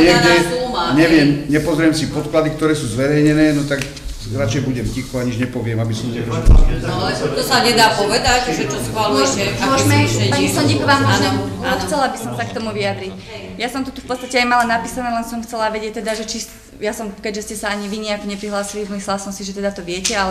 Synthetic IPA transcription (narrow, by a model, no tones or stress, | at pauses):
ɛɡɛɲɛʋɪɛmɲɛpɔzɾijɛmsipɔt̪klad̪ik̚t̪ɔɾɛːsuːzʋɛɾɛjɲɛnɛːnɔt̪ak | ɾat͡ʃɛjbuɟɛmcixɔaɲiʒɲɛpɔʋɪɛmabisɔmɲɛɡ̪ɔba̰laɛt̪ɔsaɲɛd̪aːpɔʋɛd̪acʒɛt͡ʃɔsxʋalujɛɛmɔʒmɛpaːɲisɔɲikɔʋamɔanɔaxt͡sɛlaabisɔmsak̚t̪ɔmuʋiad̪ɾic | jasɔmt̪ut̪ufpɔt̪t͡st̪acɛajmalanapiːsanɛːlɛnsɔmxt͡sɛlaʋɛɟɪɛc̚t̪ɛd̪aʒɛt͡ʃi | jasɔmkɛɟʒɛscɛsaaɲiʋiɲɛakɔɲɛpɾiɦlaːsilimislɛlasɔmsiʒɛt̪ɛd̪at̪ɔʋɪɛcɛalɛ